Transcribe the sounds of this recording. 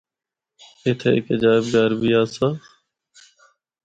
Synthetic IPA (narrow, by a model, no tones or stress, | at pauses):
eːt̪ʰeɪ̰kəd͡ʒaːɪbɡaːɾbiːaːsaː